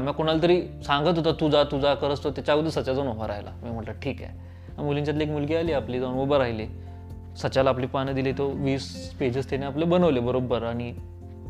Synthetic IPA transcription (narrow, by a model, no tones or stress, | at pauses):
məkoɽ̃alt̪əɾiːsãŋɡət̪ɦot̪at̪ud͡zat̪ud͡zakəɾəst̪ot̪at͡ɕaɡud̪əsət͡ɕad͡zɔnʋobaɾajla̰miːm̤əɳʈlaʈʰiːka̰ | amuliɲt͡ɕjat̪̬leekmulɡialiːapliːd͡zɔnʋobəɾaɦjle | sət͡ɕalaapliːpañəd̪ilit̪oʋiːsped͡ʑəst̪eneaplebənəʋlebəɾobəɾaɽ̃i